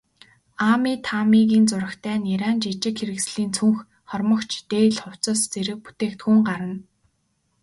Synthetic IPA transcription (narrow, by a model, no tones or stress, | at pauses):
amiːt̪ʰamiɣiːnt͡sʊɾə̆xt̪ʰæːniɾaːnt͡ɕit͡ɕɪ̆kxeɾɘ̆ksɮiːnt͡sʰuŋx | χɔrməɞ̆kt͡ɕʰt̪eːɮχʊw̥t͡sɔ̆ːst͡seɾɘ̆k̚pu̥t̪eːkt̪xuːŋɢaɾə̆n